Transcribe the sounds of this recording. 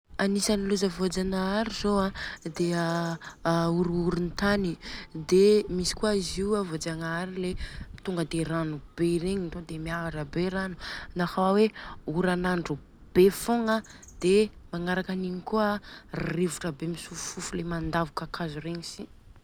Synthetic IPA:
anisaniluzəvod͡zanaaɾizoad̪ea | uɾuɾunt̪anid̪emisi̥kuaiziwavod͡zaŋaɾilet̪uŋɡəd̪eranub̥eɾeɲint̪od̪emiavaʈ͡ʂəbeɾanunahawaweuɾanaɳɖ͡ʐu | b̥efoŋa | d̪̥emaŋaɾakaniɲikuəririvuʈ͡ʂəbemisuffufulemand̪avukakazureɲisi̥

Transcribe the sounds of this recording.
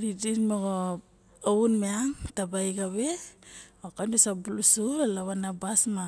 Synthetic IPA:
ɾidimoɡo | ounmeaŋtabajɡaβe | okandusabulusualaβanabasma

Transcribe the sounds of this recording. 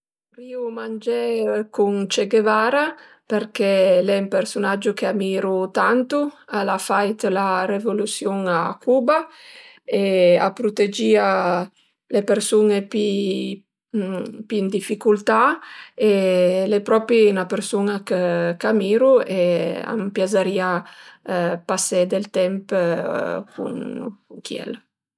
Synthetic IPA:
ɾiːumand͡ʒɛkunt͡ʃeɡevaːɾa | perkɛlɛumpersunad͡ʒːukeamiːɾut̪ant̪ualafajt̪laɾevolut̪sjuŋakʰuːba | ea̰pɾut̪ed͡ʒiːa | lepeɾsunepi | piːnd̪ifikult̪aelepɾɔpɾinapeɾsunakəkamiːɾuea̰mpjazaɾiːa | pasɛd̪elt̪ɛmp | kʰṵŋkuŋkjɛ̰l

